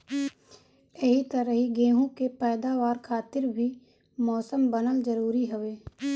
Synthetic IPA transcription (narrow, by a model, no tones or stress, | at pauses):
əɦit̪əɾəɦiɡeːɦũkepɛːd̪aːʋaːɾkʰaːt̪ɪɾbʱi | mɔːsəmbənəlzəɾuːɾiɦʊʋeː